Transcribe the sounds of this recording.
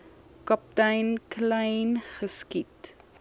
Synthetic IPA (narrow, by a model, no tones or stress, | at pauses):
kɐp̚tɐjnklɐjnχəskit